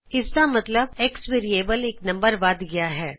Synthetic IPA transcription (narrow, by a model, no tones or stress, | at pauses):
ɪskamɐt̪ləbeːksʋeːɾieːbəleːknɐ̃mbəɾʋaːd̪ɡɐjaɦɛː